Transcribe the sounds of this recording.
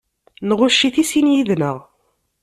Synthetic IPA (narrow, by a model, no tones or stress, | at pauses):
nʁʊʃːiθisinjiðnəʁ